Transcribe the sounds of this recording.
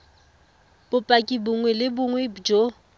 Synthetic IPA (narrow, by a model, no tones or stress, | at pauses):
b̥ʊpʼakʼibʊŋwɛlɪbʊŋwɛd͡ʒo